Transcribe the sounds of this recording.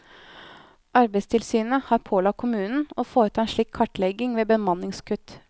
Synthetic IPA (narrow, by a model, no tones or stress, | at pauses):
ʔɑɾbæɪst̪ʰɪlsyːnəhɑːɾpʰoːlɑkkʰʊmʉːnn̩oːfoːɾət̪ʰɑːɛnʃɭiːkʰːɑʈlɛɡɪŋʋeːbəmɑnɪŋskʰʉt̪